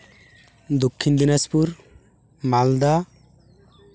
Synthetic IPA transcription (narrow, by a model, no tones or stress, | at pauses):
d̪okʰːind̪inaspuɾ | mald̪a